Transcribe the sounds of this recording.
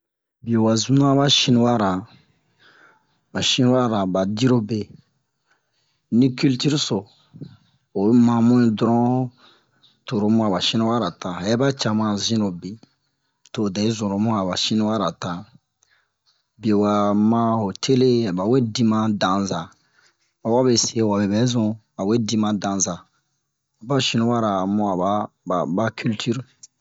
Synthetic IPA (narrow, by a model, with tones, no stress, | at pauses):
bi˨o˨wa˨zũ˨˦nã˦ba˦ʃĩ˦nĩ˦wa˦ɾa˨ | ba˨ʃĩ˦ni˦wa˦ɾa˨ba˨di˦ɾo˦be˨ | nĩ˦ky˦lti˦ɾso˨ | o˨˦mã˨mũ˦ĩ˨dɾɔ̃˦ | to˨ɾo˨mũ˦a˨ba˨ʃĩ˦nĩ˦wa˦ɾa˨ta˨ɛ˦ba˦t͡ʃa˨mã˨zĩ˦o˨be˨ | to˨dɛ˨e˦zũ˨ɾo˨mũ˦a˨ba˨ʃĩ˦ni˦wa˦ɾa˨ta˨ | be˨wa˨mã˦o˨tʰe˦le˦a˨ba˨we˦dĩ˦mã˦dã˨za˨ | a˨wa˦be˨se˦˨wa˨bɛ˨bɛ˦zɔ̃˨ | a˨we˦dĩ˦mã˨dã˨za˨ | a˨ba˦ʃĩ˦nũ˦wa˦ɾa˨mɔ̃˦a˨ba˦ | ba˨ba˦ky˦ltʰy˦ɾ